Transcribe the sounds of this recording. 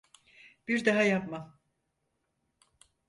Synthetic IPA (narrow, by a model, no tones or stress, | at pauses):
b̥iɾd̪aɦajapma